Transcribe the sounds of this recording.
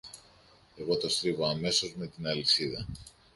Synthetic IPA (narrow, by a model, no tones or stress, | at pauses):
e̞ɣo̞t̪o̞st̪ɾivoɐme̞sozme̞t̪inɐlisiðɐ